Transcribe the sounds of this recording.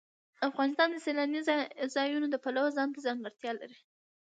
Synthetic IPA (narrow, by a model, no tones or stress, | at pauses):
afɣɑnɪst̪ɑnd̪əselanizzɑjunod̪əpalawozɑnt̪azɑnɾaɾt̪jɑla̰ɾi